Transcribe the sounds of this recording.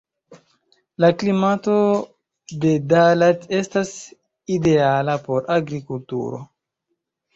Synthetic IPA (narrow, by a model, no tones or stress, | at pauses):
laklimato̞ | de̞dalate̞stas | ide̞alapo̞ɾaɡɾikultṵɾo̞̰